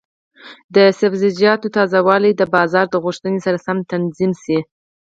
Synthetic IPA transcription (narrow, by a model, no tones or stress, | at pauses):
d̪əsɪfzɪd͡ʒijɑt̪ot̪ɑzawɑləjd̪əbɑzɑɾd̪əɣuʂt̪ənesaɾasamt̪anzimsi